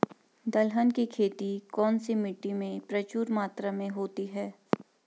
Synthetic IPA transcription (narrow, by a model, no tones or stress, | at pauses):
d̪ɐlɦənkikʰeːt̪ikɔːnsimɪʈːimẽpɾɐt͡ʃuːɾmaːt̪ɾamẽɦoːt̪iɦɛː